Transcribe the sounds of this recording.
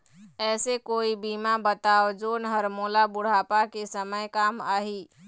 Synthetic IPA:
ɛːsekoːibimabət̪aːod͡ʒoːnɦəɾmoːlabʊɽ̤aːpakesəməjkaːmaɦi

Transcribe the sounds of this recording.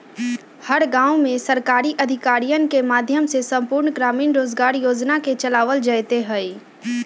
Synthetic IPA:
həɾɡãːʊmẽsəɾkaːɾiʔɐd̪ʱɪkaːɾijənkemaːd̪ʱjəmsesə̃mpʊːɾɳɡɾaːmiːnɾoːd͡ʒɡaːɾjoːd͡ʒnaket͡ʃɐlaːʋəld͡ʒəjt̪eɦɛi

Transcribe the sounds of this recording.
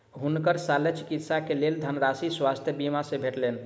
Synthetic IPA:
ɦunkəɾsalet͡ʃikit̪sakeleld̪ʱənɾasiswast̪ʰjəbimasẽbʱeʈlen

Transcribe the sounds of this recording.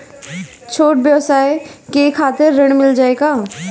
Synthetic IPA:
t͡ʃʰoːʈ̚bjəʋsaːekekʰaːt̪eɾːɐɽ̃mɪld͡ʒaːeːɡaː

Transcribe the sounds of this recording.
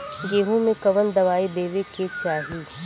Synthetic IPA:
jeːɦũmẽkɐʋənd̪ɐʋaːebeːʋeket͡ʃaːɦi

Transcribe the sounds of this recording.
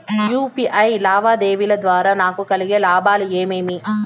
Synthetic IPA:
juːpiʔɐɪlaːʋaːd̪eːʋilɐd̪ʋaːɾɐnaːkɯkɐlɪɣelaːbaːlɯeːmeːmi

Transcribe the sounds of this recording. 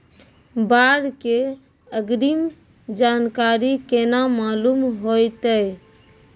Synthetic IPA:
baɾke | əɡɾim | d͡ʒankaɾikenamalumɦojt̪əj

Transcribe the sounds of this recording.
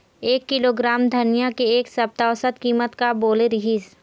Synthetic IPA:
eːkːɪloːɡɾaːmd̪ʱɐnijakeeːksɐb̚t̪aʊsət̪kiːmət̪kaboːleɾɪɦiːz

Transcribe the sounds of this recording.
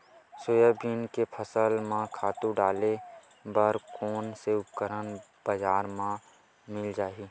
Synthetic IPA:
sʊjəbiːnkepʰəsəlmãkʰaːt̪ũɖaːle | bəɾkoːnseʊp̚kəɾən | b̥əd͡ʒaːɾmã | mɪld͡ʒaːiː

